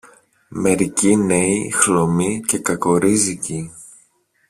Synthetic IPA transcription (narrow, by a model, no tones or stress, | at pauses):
me̞ɾicine̞ixlo̞mice̞kɐko̞ɾizici